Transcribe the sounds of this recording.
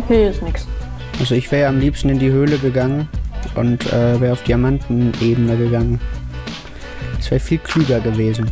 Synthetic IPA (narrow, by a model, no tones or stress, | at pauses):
okʰeːɪsnɪks | ʔalzoɪçv̥ɛːɐʁjaamliːpstn̩ɪndiːhøːləɡəɡaŋənʔʊ̰ntʔɛːvɛːʁəaʊfd̥iamantn̩ʔeːbənəɡəɡaŋən | sv̥ɛːʁəfiːlkʰl̥yːɡɐɡəveːzn̩